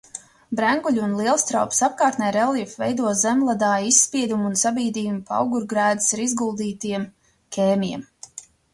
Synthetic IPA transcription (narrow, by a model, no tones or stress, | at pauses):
bɾæŋɡuʎʲuunlˠiɛlˠst̪ɾawpsap̚kaːɾt̪nɛjɾɛlˠifvɛjd̪uɔzɛmlˠad̪aːisːpiɛd̪umunsabiːd̪iːumpa̰wɡuɾɡɾæːd̪i̥saɾizɡulˠd̪iːt̪iɛm | kʲʰeːmʲiɛm